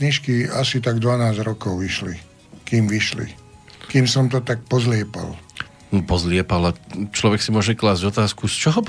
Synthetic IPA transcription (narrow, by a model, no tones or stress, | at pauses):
ɲiʃkiasit̪aɡd̪ʋanaːzɾɔkɔʊʋiʃlḭ | kiːmʋiʃlḭ | kiːmsɔmt̪ɔt̪ak̚pɔzlɪɛpa̰l | n̩pɔzlɪɛpalat͡ʃlɔʋɛksimʊɔʒɛklaːzɟɔt̪aːskust͡ʃɔɦɔ